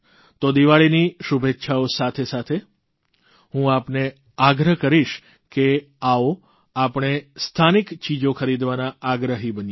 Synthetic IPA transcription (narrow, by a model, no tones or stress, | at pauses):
t̪od̪iʋaɭiniʃubʱet̪ːʃʰaosat̪ʰesat̪ʰe | ɦũapne | aɡɾəɦkəɾiʃ | ke | ao | apəɳ̃est̪ʰanikt͡ʃid͡ʒokʰəɾid̪ʋanaːɡɾəɦibənj